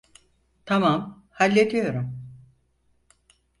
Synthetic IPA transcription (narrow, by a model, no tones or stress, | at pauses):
t̪ʰamam | halʲːed̪ijo̞ɾum